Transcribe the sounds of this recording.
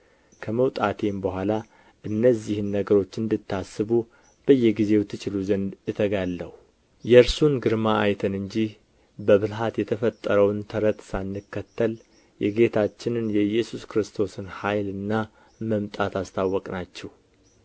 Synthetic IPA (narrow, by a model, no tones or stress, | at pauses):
kʰəməwt̪ʼat̪ʰe̞mbəɦʷala | ʔɨnːəzːihɨnːəɡəɾo̞t͡ʃːɨnd̪ɨt̪ʰːasːɨβu | b̥əjːɛɡize̞wt̪ʰːɨt͡ʃʼɪluzənd̪jɛt̪ʰəɡalːə̰wu | jɛɾsunɡɨɾmaajt̪ʰənɨɲd͡ʒih | bəβɨlɦat̪jɛt̪ʰəfət̪ʼːəɾəwnt̪ʰəɾət̪sanːɨkːət̪ʰːəl | jɛɡe̞t̪ʰat͡ʃːɪnɨnjɛɨjːɛsuskɾɨst̪ʰo̞sɨnhajlɨnːa | məmt̪ʼat̪ʰast̪ʰawːɔkʼnat͡ʃːɛw